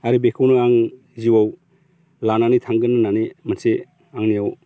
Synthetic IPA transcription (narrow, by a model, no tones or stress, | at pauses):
aɾibekʰawnuaŋ | ziwaw | lananitʰaŋɡɯnːɯnanemanse | aŋnijaw